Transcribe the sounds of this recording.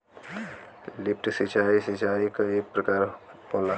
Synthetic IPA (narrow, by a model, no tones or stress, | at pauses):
lip̚ʰʈsit͡ʃaisit͡ʃaikəekpɾəkaɾpola